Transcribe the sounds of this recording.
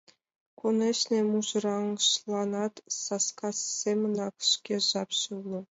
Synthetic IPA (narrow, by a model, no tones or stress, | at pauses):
kunʲĕɕnʲemuʒɤ̆ɾɑŋʃlˠɑnɑt̪sɑskɑsːemʲɤ̆nɑkʂkʲeʒɑpɕulˠɤ̆